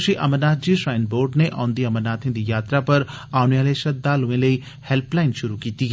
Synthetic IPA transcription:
ʃiʔɐ̰mənaːt̪̚ʰd͡ʑiːsɾaːɪnboːɾɖneʔãːnd̪iɐmənaːt̪ʰɪ̃nd̪ijaːt̪ɾapɐɾ | aːnjaːleʃɐd̪ːaluʋẽlɐi | helplaːɪnʃʊɾukiːt̪i

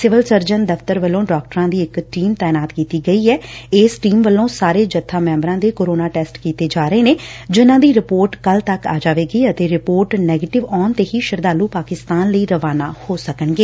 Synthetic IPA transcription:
sɪʋəlsəɾd͡ʒənd̪əft̪əɾʋəlːõːɖaːk̚ʈəɾãːd̪iːɪkʈiːmt̪ɛːnaːt̪kiːt̪iːɡəiːɛːeːsʈiːmʋəlːõːsaːɾeːd͡ʒət̪ʰːaːmɛ̃ːmbɾãːd̪eːkoːɾoːnaːʈɛːsʈkiːt̪eːd͡ʒaːɾəeːneːd͡ʒɪnãːd̪iːɾɪpoːɾʈkəlt̪əka̰ːd͡ʒaːʋeːɡəiːət̪eːɾɪpoːɾʈnɛːɡeːʈɪʋɔːnt̪eːɦiːʃɪɾd̪aːluːpaːkɪst̪aːnləiːɾəʋaːnaːhoːsəkəɳɡeː

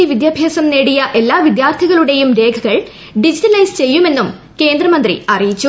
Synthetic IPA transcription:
iʋid̪jaːbʱjaːsɐmneːɽijɐʔe̞lːaːʋid̪jaːrt̪ʰiɣɐɭuɽe̞jumɾe̞ːkʰɐɣɐɭ | ɖid͡ʑiʈɐlɐjst͡ɕe̞jːume̞nːum | ke̞ːnd̪rɐmɐnd̪rḭɐrijit͡ɕːu

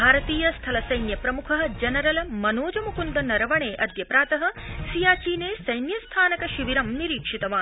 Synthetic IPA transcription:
bʱaːɾɐt̪iːjɐst̪ʰɐlɐsɐjnjɐpɾɐmukʰɐɦɐ̆d͡ʒɐnɐɾɐlɐmɐnoːd͡ʒɐmukund̪ɐnɐɾɐʋɐɳeːʔɐd̪ʱjɐpɾaːt̪ɐɦɐ̆sijaːt͡ʃiːneːsɐjnjɐst̪ʰaːnɐkɐʃiʋiɾɐmniɾiːkʂit̪ɐʋaː

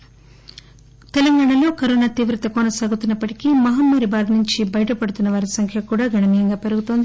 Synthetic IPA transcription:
t̪ɛlɐŋɡaːɳɐlo̞ːkɐɾoːnaːt̪iːʋɾɐt̪ɐkɔnɐsaːɡut̪unːɐpːɐʈikimɐɦɐmːɐɾibaːdnuɲt͡ʃibɐjɐʈɐpɐɽut̪unːɐʋaːɾisɐŋkʰjɐkuːɽaːɡɐɳɐmiːjɐŋɡaːpe̞ɾuɡut̪o̞ːnd̪i

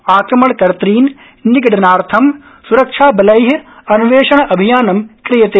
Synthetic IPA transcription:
aːkɾɐmɐɳkɐɾt̪ɾiːn | niɡɐɖɐnaːɾt̪ʰɐm | suɾɐkʂʰaːbɐlɐjɦɐɐnuʋeːʃɐɳ̃ɐʔɐbʱijaːnɐmkɾɪjɐt̪eː

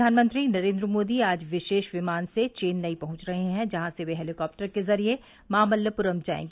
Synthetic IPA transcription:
aːnmə̃nt̪ɾinɐɾẽːnd̪ɾəmoːd̪iaːd͡ʒʋɪʃeːʃʋɪmaːnset͡ʃeːnːɐipɐɦʊ̃t͡ʃɾɐɦeɦɛ̃d͡ʒɐɦãseʋeɦɛːlɪkɔːp̚ʈəɾkezɐɾie | maːməljəpʊɾəmd͡ʒa̰ːḛ̃ːɡ

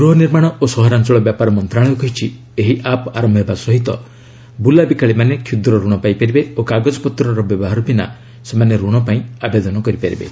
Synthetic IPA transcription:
ɡɾuɦɔniɾmaɽ̃ɔosɔɦɔɾant͡ʃɔɭɔbjapaɾɔmɔnt̪ɾaɭ̃ɔkɔɦit͡ʃʰi | eɦiʔapɔa̰ɾɔmbʱɔbasɔɦit̪ɔ | bulabikaɭimanekʰjud̪ɾɔɾuɽ̃ɔpaipaɾibeokaɡɔd͡ʒɔpɔt̪ɾɔɾɔbjɔbɔɦaɾɔbina̰ | semaneɾuɽ̃ɔpaĩabed̪ɔnɔkɔɾipaɾḭbḛ

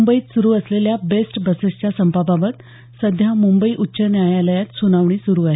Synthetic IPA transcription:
umbəiːt̪suɾuːəsleljabesʈbəsəst͡ɕasəmpababət̪ | səd̪ʱjamumbəiːʔutːɕənjajaləjat̪sunaʋɳiːsuɾuːaɦe

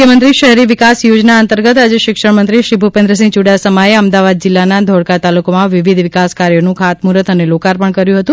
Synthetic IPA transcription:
jəmənt̪ɾiʃəɦɾiʋɪkasjod͡ʒnaənt̪əɾɡət̪ad͡ʒeʃɪkʂəɽmənt̪ɾiʃɾibʱupẽnd̪ɾəsĩŋt͡ʃuɽasəmaeəmd̪aʋad̪̚d͡ʒɪlːanad̪ʱɔɽkat̪alukomãʋɪʋid̪ʱʋɪkaskaɾjonũkʰat̪muɾət̪ənelokaɾpəɳkəɾjũɦət̪ũ

